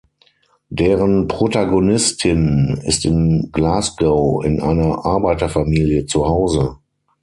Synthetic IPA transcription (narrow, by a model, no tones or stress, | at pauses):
d̥eːʁənpʁ̥otaɡonɪstʰɪnɪ̰stɪnɡ̥laːsɡ̥əʊɪ̰nʔa̰ɪnɐʔaɐbaɪtɐfamiːljət͡suhaʊzə